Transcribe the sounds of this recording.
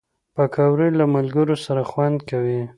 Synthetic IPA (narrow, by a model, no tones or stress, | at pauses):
pakʰɑwɾilamalɡəɾosaɾaxwand̪kawi